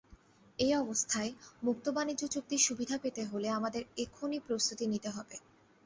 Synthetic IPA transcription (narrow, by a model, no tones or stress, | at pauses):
ejɔbost̪ʰaemuk̚t̪obanid͡ʑot͡ɕok̚t̪iʃubid̪ʱapet̪eɦoleamad̪eɾekʰonipɾost̪ut̪init̪eɦɔbe